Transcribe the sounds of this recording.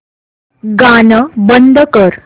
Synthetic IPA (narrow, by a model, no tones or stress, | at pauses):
ɡanəbənd̪ʱəkəɾ